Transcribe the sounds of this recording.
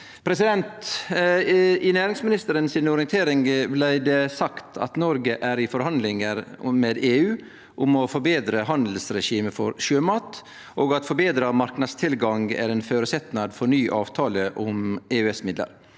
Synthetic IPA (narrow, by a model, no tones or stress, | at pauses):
pʰɾɛsɪd̪ɛnt̪ | ɪnæːɾɪŋsmɪnɪst̪əɾənsɪnɔɾɪənt̪ʰeːɾɪŋblæɪd̪ɛsɑkt̪ʰɑ̰t̪nɔɾɡəʔæɾɪfɔɾhɑnd̪lɪŋəɾmeːd̪eːʉː | ʔʊmɔfɔɾbeːd̪ɾəɦɑnd̪l̩sɾɛʃiːməfɔ̰ɾʃøːmɑːt̪ | ʔoːɡɑt̪fɔɾbeːd̪ɾɑmɑɾknɑd̪st̪ʰɪlɡɑŋɡæ̰ɾɛnføːɾəsɛt̪nɑd̪fɔɾnyːʔɑːʋt̪ʰɑːləʔʊmeːʉɛsmɪd̪lə̰ɾ